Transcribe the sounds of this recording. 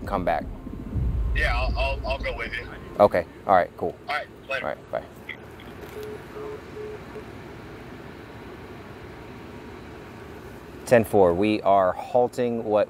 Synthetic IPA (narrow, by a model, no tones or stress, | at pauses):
kʰʌ̃mbæ̰k̚ | jæaɪlaɪlˠaɪlˠɡoʊwɪðɨʔoʊkʰeɪʔɑ̰lˠɹaɪt̚kʰulˠaɪt | ɹa̰ɪt̚b̥a̰ɪ | tʰɛ̃nfɔɹwiʔə˞hɔlˠtɪ̃ŋwʌt̚